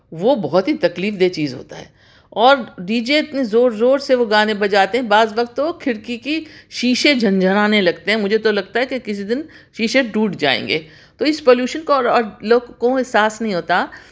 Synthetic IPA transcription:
ʋoːbɔɦɔt̪ɦit̪ɐkliːfd̪eːt͡ʃiːzɦo̰ːt̪a̰ɦɛ̰ː | ɔːɾɖiːd͡ʒeɪt̪nizoːɾzoːɾseʋoɡaːnebɐd͡ʒaːt̪eɦɛ̃baːzʋɐkt̪ːokʰɪɽkikiʃiːʃed͡ʒʱɐ̃nd͡ʒʱəɾaːnelɐɡt̪eɦɛ̃mʊd͡ʒʱet̪olɐɡ̚t̪aɦɛkekɪsid̪ɪn | ʃiːʃeɖuːʈd͡ʒa̰ːḛ̃ːŋɡḛː | t̪oɪspoːljuːʃənkoɔːɾloːɡkoɦɪsaːsnɐɦĩɦoːt̪a

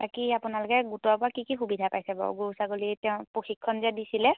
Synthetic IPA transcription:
bakiapʊnalʊkɛɡutɔpʊakikixubidʱapajsɛbɔ̰ɡosaɡolitɛʊ̃poxikʰːɔnzɛdisilɛ

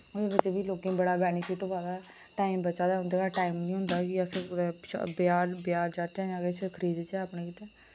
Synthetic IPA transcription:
ʊd̪eːbɪt͡ʃːeːbiːloːkẽːbəɽaːbɛːnɪpʰɪʈʊbaːd̪aː | ʈaːimbəʃaːd̪aːɦʊ̃nd̪eːkaːʈaːimnĩːɦʊnd̪aːkɪəsʃbjaːɾbjaːɾd͡ʒaːt͡ʃɛ̃ːaɡeːt͡ʃʰəkʰəɾiːd̪t͡ʃɛəpɳeːkit̪ɛː

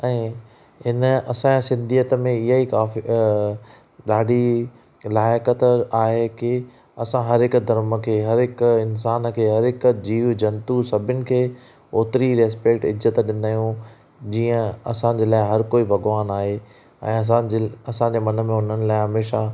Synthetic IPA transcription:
ɛ̃ː | ɦɪnɐsãasɪ̃nd̪ʱijət̪əmẽɪɦaikaːfi | ɗaːɖi | laːɪkət̪aːɦekɪ | ɐsãɦɐɾɦɪkʊd̪ʱɐɾmə̆kʰeːɦɐɾɦɪkɪnsaːnkʰeːɦɐɾɦɪkd͡ʑiːʋd͡ʑɐ̃nt̪usɐbʱɪnɪ̆kʰeː | oːt̪ɾiɾeːspeːkʈɪzət̪ɗɪnd̪aːjũ | d͡ʑiːə̃ɐsãːd͡ʑeːlaːɪɦɐɾkoːibʱɐɡʋaːnaːɦeː | ɛ̰̃ːɐãɐsãɲd͡ʑeːmɐnə̆mẽɦʊn̤ənɪ̆laːɪɦɐmeːʃa

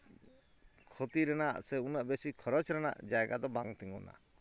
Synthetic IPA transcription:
kʰɔt̪iɾɛnaʔsɛunəʔbesikʰɔɾɔt͡ʃɾɛna̰ʔd͡ʒajɡad̪ɔbaŋt̪iŋɔ̰na̰

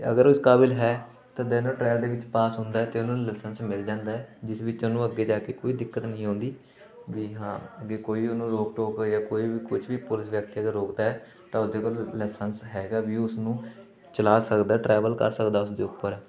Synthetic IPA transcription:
ə̰ɡəɾʊskaːbɪlɦɛː | t̪ãːd̪ɛːnãːʈɾɛːld̪eːʋɪt͡ʃpaːsɦʊ̃nd̪aːɛːt̪eːʊnũːlɛːsənsmɪld͡ʒãːnd̪aːɛːd͡ʒɪsʋɪt͡ʃonũːəɡːeːd͡ʒaːkeːkoːiːd̪ɪkːət̪nəĩːɦõːnd̪iː | ʋiːɦãːəɡeːkoːiːʊnũːɾoːk̚ʈoːkjaːkoːiːbiːkʊt͡ʃʰʋiːpʊlɪsʋjək̚t̪iːəɡəɾːoːkd̪aːɦɛː | t̪ãːʊsd̪eːkoːllɛːsənsɦɛːɡaːʋiːʊsnũː | t͡ʃəlaːsəkd̪aːʈɾɛːʋəlkə̰ɾsəkd̪aːʊsd̪ḛːʊpːəɾ

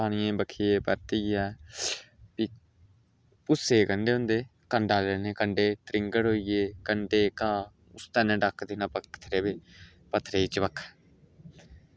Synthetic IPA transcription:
aːɽ̃ɪjẽːbəkʰiːeːpəɾt̪iːɛː | piː | pʊsːeːkəɳɖeːɦʊ̃nd̪eːkəɳɖaːleːneːkəɳɖeːt̪ɾɪŋɡəɽɦoːiːjeːkəɳɖeːkaː | ʊst̪ɛːnɛ̃ːɖəkʰd̪ɪːnãːpəkt̪ʰɾeːbeː | pət̪ʰːɾeːit͡ʃbəkʰː

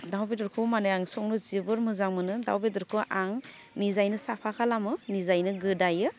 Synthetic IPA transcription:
dawbedɯɾkʰɯmanɯjaŋsɔŋnɯzibɯɾmɯzaŋmɯnɯda̰wbedɯɾkʰɯʔaŋ | nizajnɯsapʰakʰalamɯnizajnɯɡɯdajɯ

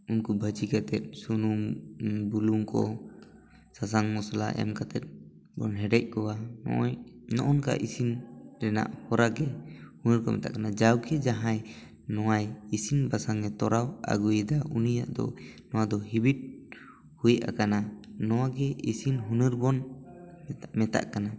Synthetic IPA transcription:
unkubʱət͡ʃikat̪ɛt̪̚sunumbuluŋkɔ̰ | sas̬aŋmɔsala̰ʔɛ̰mkat̪ɛt̪̚ | bɔ̰nɦɛɖɛc̚kɔwanɔ̰ʔnɔʔɔnka̰ʔisinɾɛna̰ʔhɔɾaɡɛhunəɾkɔmɛ̰t̪aʔkanad͡ʒawkʰɛd͡ʒaɦãj | nɔwajisinbasaŋɛt̪ɔɾawa̰ɡujd̪aʔunijaʔd̪ɔ̰nɔwad̪ɔɦibid̚ | hujʔa̰kananɔwaɡɛisinɦunɨɾbɔn | mɛt̪a̰ʔkana

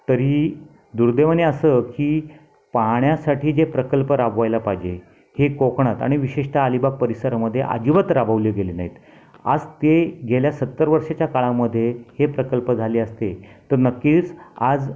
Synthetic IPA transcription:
t̪əɾiː | d̪uɾd̪eʋəneəsəkiː | paɳjasaʈiːd͡ʑepɾəkəlpəɾabʋajlapajd͡ʑe | hekokɳat̪a̰ɽ̃iʋiɕeʂʈʰaːlibaɡ̚pəɾisəɾaməd̪ʱːjeʔa̰d͡ʑiʋət̪ɾabəʋljəɡelinaɦit̪ | a̰d͡zt̪eɡʱeljasət̪ːəɾʋəɾʂet͡ɕjakaɭaməd̪ʱːjehepɾəkəlpəd͡zʱaliːəst̪et̪əɾnəkːiːt͡sad͡z

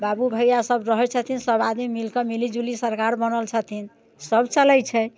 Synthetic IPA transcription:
babubʱəjjasəbɾəɦɛt͡ʃʰət̪ʰinsəbad̪mimilkɔmilid͡ʒulisəɾkaɾbənəlt͡ʃʰət̪ʰin | səbt͡ʃəlɛt͡ʃʰɛ

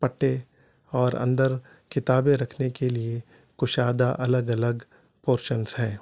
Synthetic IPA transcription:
pɐʈːe | ɔːɾɐ̰̃nd̪əɾ | kɪt̪aːbẽɾɐkʰnekelie | kʊʃaːd̪aʔɐləɡɐləɡ | poːɾʃənsɦɛ̃ː

